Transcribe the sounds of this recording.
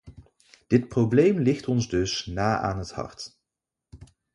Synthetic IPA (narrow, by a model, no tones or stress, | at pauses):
d̥ɪt̚prowblejmlɪχtɔnzdɵsnaːʔa̰ːnɦəthɑ̰ɹt